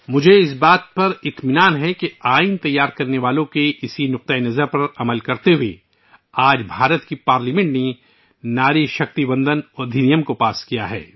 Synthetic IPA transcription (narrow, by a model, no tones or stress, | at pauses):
mʊd͡ʒʱeɪsbaːt̪̚pɐɾɪt̪mɪnaːnɦɛkeaːint̪ɐjːaːɾkɐɾneʋaːlõkeʔɪsinʊq̚t̪əenɐzəɾpɐɾɐməlkɐɾt̪eɦue | aːd͡ʒbʱaːɾət̪kipaːɾlimɛ̃ɳʈne | naːɾiʃɐkt̪ibɐ̃nd̪ənɔːd̪ʱɪnijəmkopaːskijaɦɛ̰ː